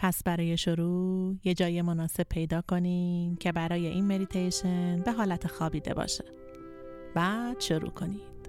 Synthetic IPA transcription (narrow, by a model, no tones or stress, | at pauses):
pʰæsbæɾɒːje̞ʃoɾuːje̞d͡ʒɒːjemo̞nɒːse̞b̥̚pʰe̞jd̪ɒːkʰo̞nimcʰe̞bæɾɒːje̞ʔiːnme̞d̪it̪ʰejʃe̞nbe̞ɦɒːlæt̪ʰexɒːbiːd̪e̞̰bɒ̰ːʃe̥ | bæd̪̥ʃoɾṵːkʰo̞nid̪̥